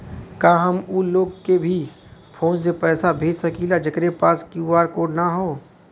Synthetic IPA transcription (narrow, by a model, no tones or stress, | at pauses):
kaːɦɐmuloːɡkebʱi | pʰoːns̬epɛːsabʱeːd͡ʒsɐkilad͡ʒɐkɾepaːskjuːaːɾkoːɽnaɦoː